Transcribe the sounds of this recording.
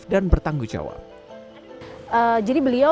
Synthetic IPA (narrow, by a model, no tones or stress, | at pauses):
danbərt̪aŋɡut͡ʃa̰wa̰ | əd͡ʒadibəlia